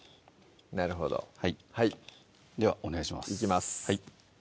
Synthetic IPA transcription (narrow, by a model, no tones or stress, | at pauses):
naɾɯ̟ɦo̞̰d̪o̰haihai | d̪e̞βaʔo̞neɡaiɕima̰sikʲimasɨ̥hai